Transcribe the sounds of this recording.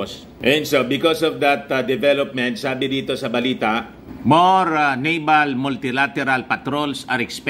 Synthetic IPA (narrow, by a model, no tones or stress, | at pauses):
s | ʔɛ̃nsobɪkɔsɔvd̪ɐt̪d̪ɛvɛlɔp̚mɛ̃nt̪saːbɪd̪iːt̪osɐbɐliːt̪a | moɾnejbalmʊlt̪ɪlat̪ɛɾalpɐt̪ɾolsɐɾɛksp